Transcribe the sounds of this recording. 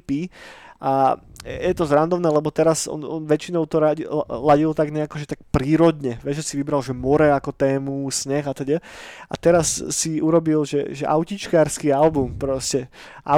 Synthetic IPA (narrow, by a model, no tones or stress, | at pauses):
piʔajɛt̪ɔzɾand̪ɔʊnɛːlɛbɔt̪ɛɾazɔ̰nɔnʋɛt͡ʃinɔʊt̪ɔɾalaɟilt̪aɡɲɛakɔʒɛt̪ak̚pɾiːɾɔd̪ɲɛʋɛʒʒɛsiʋibɾalʒɛmɔɾɛakɔt̪ɛːmusɲɛxat̪ɔɟɛa̰t̪ɛɾasːiuɾɔbilʒɛ̰ʒɛʔa̰ʊcit͡ʃkaːɾskialbumpɾɔscɛ | ʔa